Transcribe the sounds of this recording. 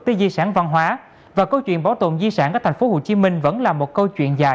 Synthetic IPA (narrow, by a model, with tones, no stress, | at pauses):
k̚t̪i˨˦zi˧saː˧˩nva˧nɦwaː˨˦ | vaː˨˩kə˧wt͡ɕwḭ˧˨ənɓa˨˦wt̪o̰˧˨mzi˧saː˧˩nkaː˨˦˥kt̪ʰŋ̟fo˨˦ho˨˩t͡ɕi˨˦mï˧ŋ̟və̰˧˥nlaː˨˩mo˨˩t̚kə˧wt͡ɕwḭ˧˨ənzaː˨˩